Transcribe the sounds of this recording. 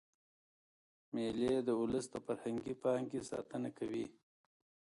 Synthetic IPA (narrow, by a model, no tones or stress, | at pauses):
meled̪əʊləst̪əfaɾhaŋɡipɑŋkesɑ̰t̪ənakawḭ